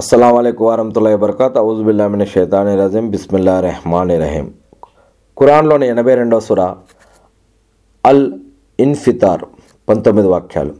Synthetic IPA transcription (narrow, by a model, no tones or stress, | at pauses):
ɐsːɐlaːmɐleːkuʋaːɾɐɦmt̪ulːaːibɐɾɐkaːt̪ɐuːzbilːaːminɐʃɐːt̪aːneɾaːziːmbɪsmilːaːɾɐhmaːneɾɐ̰ɦḭːm | kʊɾaːnloːninɐbeɾɐɳɖosuɾaː | ɐl | ɪnfit̪aːɾ | pɐnt̪omid̪ʋaːk̚t͡ʃʰa̰ːl